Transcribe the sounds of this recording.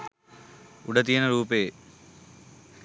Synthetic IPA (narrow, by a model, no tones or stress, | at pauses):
uɽɐt̪̬ijɐnɐɾuːpeː